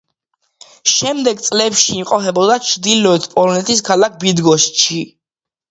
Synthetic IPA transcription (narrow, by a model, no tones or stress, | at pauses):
ʃɛmd̪ɛɡt̪sʼlɛpʃiːmqʼɔpʰɛbɔd̪at͡ʃʰd̪ilɔɛt̪ʰpʼɔlɔnɛt̪ʰis̬kʰalak̚bid̪ɡɔsʃʰi